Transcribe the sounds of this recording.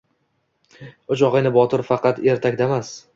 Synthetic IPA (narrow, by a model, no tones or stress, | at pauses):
ʊt͡ʃʰɒʁɪjnɪbɒt̪ʰɪɾfɑqɑt̪e̞ɾt̪ʰak̚ʲd̪aemas